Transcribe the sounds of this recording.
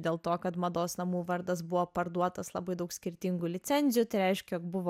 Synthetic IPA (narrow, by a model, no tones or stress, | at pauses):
d̪ʲeːlˠt̪oːkɐt̪mɐd̪oːsnɐmuːʋɐɾd̪ɐs̬bʊʋoːpɐɾd̪uɔt̪ɐslˠɐbɐɪd̪ɐʊksʲkʲɪɾʲt̪ʲɪŋɡʊlʲɪt̪sʲɛnʲzʲɪjʊt̪ɐɪɾʲɛɪʃʲkʲɛjoːk̚bʊʋo